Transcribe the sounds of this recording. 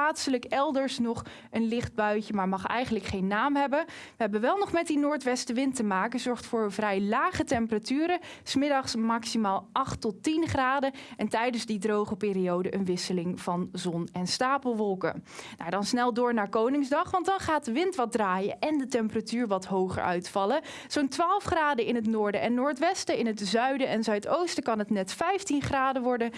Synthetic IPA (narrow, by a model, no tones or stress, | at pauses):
aːtsələkɛlˠdəɹsnɔχ | ənlɪχd̚bœɥəmaːɹmɑχɛ̰jχənləkχejnːaːmɦɛbə | ʋəɦɛbənʋɛlˠnɔχmɛt̚dinʊːɹtʋɛstəʋɪntəmaːkəzɔɹχtfʊːɹvrɛjlaːχətɛmpəratyːɾə | smɪdɑχsmɑksimaːlˠʔɑχtɔtinχraːdəɛntɛjdənzdidrowχəpɪːɾiowdəʔənʋɪsəlɪŋvɑnzɔnɛnstaːpəlˠʋɔlˠkə̰na̰wdɑnsnɛlˠdʊːɹnaːɹkownɪŋzdɑχʋɑndɑnχaːt̚dəʋɪntʋɑd̚draːjəʔɛndətɛmpəratyːɹʋɑtɦowχə̰ɹʔœ̰ɥtfɑlə | z̥ontʋaːlˠfχraːdəɪnətnʊːɹdəʔɛnːʊːɹtʋɛstəɪnɦətzœɥdəɛnzœɥtowstəkɑnɦətnɛtfɛjftinχraːdəʋɔɹdə